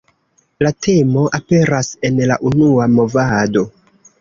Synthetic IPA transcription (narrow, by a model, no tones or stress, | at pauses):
latʰe̞mo̞ʔape̞ɾase̞nlaʔunuamo̞vado̞